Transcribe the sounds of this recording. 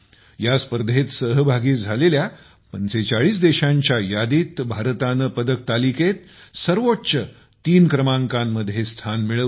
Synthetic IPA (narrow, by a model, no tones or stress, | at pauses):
jaspəɾd̪ʱet̪səɦəbʱaɡiːd͡zʱalelja | pənt͡set͡saɭiːsd̪eɕãɲt͡ɕjajad̪iːt̪bʱaɾət̪anəpəd̪ək̚t̪aliket̪̚ | səɾʋotːɕə | t̪iːnkɾəmãŋkãmːəd̪ʱjest̪ʰanmiɭə